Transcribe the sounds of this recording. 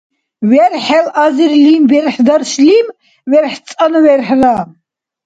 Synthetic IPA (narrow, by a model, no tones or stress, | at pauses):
wɛɾħɛlaziɾlimbɛɾħd̪aɾslim | wɛɾħt͡sʼanwɛɾħra